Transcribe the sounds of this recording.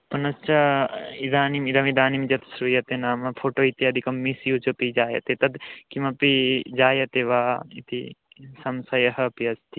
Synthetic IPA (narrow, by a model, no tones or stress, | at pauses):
pɐnɐst͡ʃɐid̪aːnimid̪ɐmid̪aːnimd͡ʒɐt̪sɾujɐt̪enaːmɐpʰoːʈoːit̪jɐːd̪ʱikɐmːisjut͡ʃopid͡ʒaːjɐ̰t̪et̪ɐd̪kimɐpid͡ʒaːjɐt̪eʋaːit̪ḭ | sɐmsɐjɐɦɐpiɐst̪ʰi